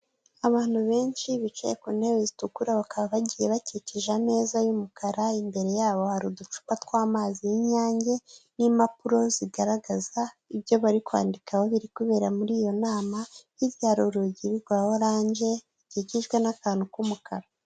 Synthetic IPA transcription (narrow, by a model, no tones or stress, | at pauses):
aβaːn̥huβe̞ːnt͡ʃiβit͡ʃejekunewezitukuɾaβakaβaβaɟiːje̞βaciciʒame̞ːzajumukʰaɾaimbe̞ɾe̞jaːβo̞haɾudut͡ʃu̥kwatwaːmaːzijiɲaːɲɟe̞nimapuɾo̞ziɡaɾaɡaza | iβjo̞βaɾikwa̰ːndikʰawo̞βiɾikuβe̞ːɾamuɾiːjo̞naːmaiɾjaːɾuɾuɟiɾiɾɡwaːwoɾaːɲʒe̞iciɟiʒɡwenakaːnukumukaɾa